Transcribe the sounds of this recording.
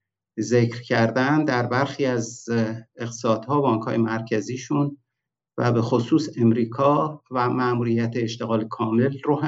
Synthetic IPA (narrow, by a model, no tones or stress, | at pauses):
ze̞cɾcʰæɾd̪ænd̪æɾbæɾxiːæz | e̞ɣt̪ʰe̥sɒːd̪̥hɒːbɒːŋkhɒːje̞mæɾcʰæziːʃun | væ̰be̞xosuːse̞mɾiːkʰɒːvæmæmuːɾijæt̪ʰeːʃt̪e̞ɣɒːlekʰɒːme̞lroɦ